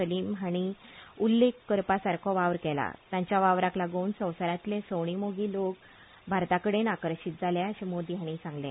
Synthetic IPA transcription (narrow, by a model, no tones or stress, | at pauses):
əliːmɦaɽ̃iulːekːəɾpasaɾkʰɔʋaʋɾkɛla̰t̪jãɲt͡ɕjaʋaʋɾaklaɡonsə̃w̃səɾjãt̪lesəwɳ̃imoɡiːlok | bʱaɾt̪akəɽenakəɾɕit̪̚d͡zʱaljaɕemod̪iɦaɽ̃isãŋɡlḛ